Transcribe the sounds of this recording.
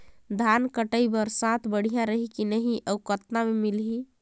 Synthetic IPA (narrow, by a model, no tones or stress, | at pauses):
d̪ʱankəʈəibəɾsãt̪ʰbəɽ̤ijãɾəɦikinəɦiʔəukət̪namemilɦi